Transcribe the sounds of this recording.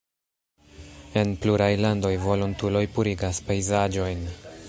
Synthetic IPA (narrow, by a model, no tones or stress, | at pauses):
e̞npluɾajlando̞jvo̞luntulo̞jpuɾiɡaspejzad͡ʒo̞jn